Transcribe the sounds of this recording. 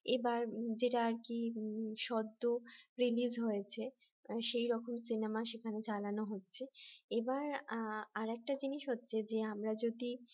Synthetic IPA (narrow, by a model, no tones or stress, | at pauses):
ebaɾd͡ʑeʈaaɾkiʃɔd̪ːoɾilid͡ʑɦojet͡ɕʰe | ʃejɾɔkʰomsinemaʃekʰanet͡ɕalanoɦotːɕʰeebaɾaɾɛk̚ʈad͡ʑiniʃɦotːɕʰed͡ʑeamɾad͡ʑod̪i